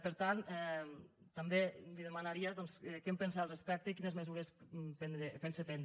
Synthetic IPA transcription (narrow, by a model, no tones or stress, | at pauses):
pəɾt̪anɛt̪ambeliðemanaɾiaðɔnsɛkɛmpens̬alˠrespɛk̚t̪ekinezmezuɾespend̪ɾepensepɛnd̪